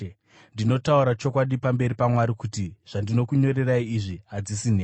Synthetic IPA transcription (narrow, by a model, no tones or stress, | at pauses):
ndino̞tauɾat͡ʃo̞kwaɗipambe̞ɾipamwaɾikutiʐ̥andino̞kuɲo̞ɾe̞raiːʐiɦad͡zisineː